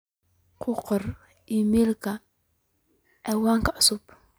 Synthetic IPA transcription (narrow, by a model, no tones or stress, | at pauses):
qʰʊqɔr | ʔiːmiːlkʰɐ | ʔɛwaːŋkʰɐʕʊsʊb